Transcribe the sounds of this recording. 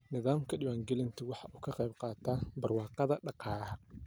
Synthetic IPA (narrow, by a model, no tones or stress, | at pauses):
nɪðaːmkʰɐɗɪwaːŋɡɛlɪnt̪ʰɐwɑħɑʔuːkʰɐqɛjbqɑːt̪ʰaːbɐrwɑːqɑðɐɖɑqɑːɦɐ